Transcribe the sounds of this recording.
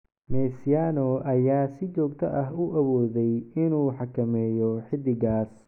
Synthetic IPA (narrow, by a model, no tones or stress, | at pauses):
nɛːsjaːnɔʔɐjaːsɪt͡ʃɔːɡ̚t̪ʰɐʔɐɦʊʔɐwɔːðɛjɪnuːħɑkʰɐmɛːjɔħɪd̪ɪɣaːs